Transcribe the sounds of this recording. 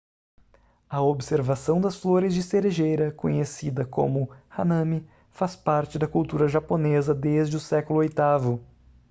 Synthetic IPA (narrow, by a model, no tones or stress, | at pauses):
ɐobseɾvasɐ̃w̃d̪ɐsfloɾɪzd͡ʒɪseɾeʒejɾɐkõɲesid̪ɐkõ̰mʊhanɐ̃mi | faspaɾt͡ʃɪd̪ɐkulˠt̪uɾɐʒaponezɐd̪ezd͡ʒɪʊsɛkʊlʊojt̪avʊ